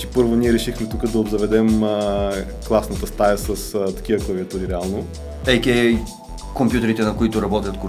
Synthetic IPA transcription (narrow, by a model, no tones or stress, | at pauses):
i̥pɤɾvoniɛɾɛʃixmɛt̪ukəd̪ɐobzɐvɛd̪ɛmə | klˠasnət̪əst̪ajəsəst̪ɐ̥k̟ivəklˠəviɐt̪uɾiɾɛalˠno | ɛjkʲɛ | kompjut̪ɛɾit̪ɛnɐkoit̪ʊɾɐbɔt̪ʲjət̪ko